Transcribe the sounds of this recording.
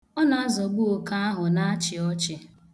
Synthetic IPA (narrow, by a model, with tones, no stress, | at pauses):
ɔ˦na˨a˦zɔ˨ɡ͡bu˦o˨ka˦a˦ɦʊ˨na˦a˦t͡ʃɪ˨ɔ˦t͡ʃɪ˨